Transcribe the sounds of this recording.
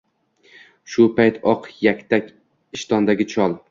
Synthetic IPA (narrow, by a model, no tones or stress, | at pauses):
ʃʊpʰajt̪ʰɒqjakʲt̪ʰakʲ | ɪʃt̪ʰɒnd̪aɡʲɪt͡ʃʰɒlˠ